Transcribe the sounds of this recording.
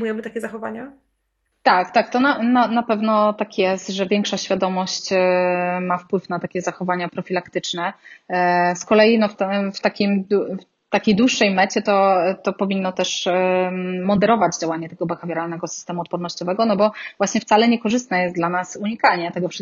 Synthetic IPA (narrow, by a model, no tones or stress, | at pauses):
ujɛmɘt̪akʲɛzaxɔvaɲa | t̪akt̪ak̚t̪ɔnananapɛvnɔt̪akjɛst̪ʐɛvʲjɛŋkʂaɕfʲjad̪ɔmɔɕt͡ɕ | mafpwɘfnat̪akʲɛzaxɔvaɲapɾɔfʲilakt̪ɘt͡ʂnɛ | skɔlɛjinɔft̪ft̪akʲimf | t̪akʲejd̪wuʂːɛjmɛt͡ɕɛt̪ɔt̪ɔpɔvʲinːɔt̪ɛʂ | mɔd̪ɛɾɔvad͡ʑd͡ʑawaɲɛt̪ɛɡɔbɛxavʲjɛɾalnɛɡɔsɨ̥st̪ɛmuɔt̪̚pɔɾnɔɕt͡ɕɔvɛɡɔnɔbɔvwaɕɲɛft̪salɛɲɛkɔʐɘst̪nɛjɛst̪d̪lanasuɲikalɲɛt̪ɛɡɔfʂ